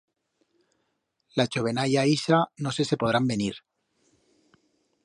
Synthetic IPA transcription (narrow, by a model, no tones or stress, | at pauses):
lat͡ʃo̞β̞e̞naʝaisano̞se̞se̞po̞ðɾambe̞niɾ